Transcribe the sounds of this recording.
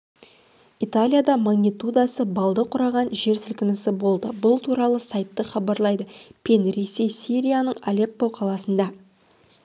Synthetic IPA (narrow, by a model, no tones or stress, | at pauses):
it̪alʲijad̪ɑmaɡnʲit̪ud̪ɑsəbɑlˠd̪əqʰʊɾɑʁɑnʒe̞ɾsɪlkʲɪnɪsɪbo̞lˠd̪əbʊlˠt̪ʰuɾɑlˠəsɑjt̪ːəχɑbɑɾlˠɑjd̪əpʰʲe̞nɾe̞se̞jsiɾʲijanəɴalʲe̞pːowqʰɑlˠɑsənd̪ɑ